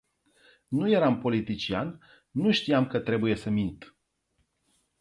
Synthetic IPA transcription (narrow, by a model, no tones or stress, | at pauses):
nuje̞ɾampo̞lit̪it͡ʃian | nːuʃt̪ijamkət̪ɾe̞buje̞səmint̪